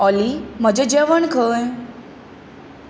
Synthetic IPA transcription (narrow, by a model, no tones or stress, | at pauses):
ɔlim̤əd͡ʑed͡ʑeʋəɳkʰəj